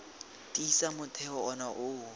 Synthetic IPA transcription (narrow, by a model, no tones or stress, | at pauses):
tʼisamʊtʰɛɔɔnaʔʊ